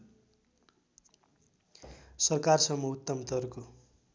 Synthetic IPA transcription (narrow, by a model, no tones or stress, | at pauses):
sʌrkarsʌmːʌut̪ːʌmt̪ʌrko